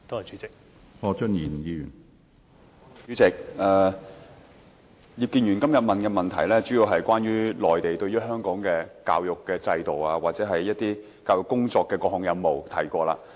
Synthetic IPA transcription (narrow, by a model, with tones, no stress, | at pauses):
t̪ɔː˥˨˩t͡ʃy˨˦t͡sɪ˨k̚ | pɔː˧t͡ʃɵ˥njiː˨˩˨jiː˧jy̰˨˩n | t͡ʃyː˨˥t͡sɪ˨k̚ɛː˨ | jiː˨˩p̚kiː˨˧nɥyː˨˩nkɐ˥mjɐ˨t̚mɐ˨nkɛː˧mɐ˨nt̪ʰɐ̰˨˩jlɛː˥t͡ʃyː˨˥jiː˨˧wɦɐ˨jkʷwaː˥njɥyː˥lɔː˨jt̪e˨jt̪ɵ˧ɥyː˥ɦœː˥ŋkɔː˨˥ŋkɛː˧ka̰ː˧wjʊ˨kːɛː˧t͡sɐ˧jt̪o˨waː˧waː˨t̚t͡sɛ˨˥ɦɐ˨jːɐ˥t̚t̪iː˥ | kaː˧wjʊ˨˩kːʊ˥ŋt͡sɔː˧kːɛː˧kɔː˧hɔ˨ŋjɐ˨˧wmo˨˩wt̪ʰɐ˨˩jkʷɔː˧la̰ː˧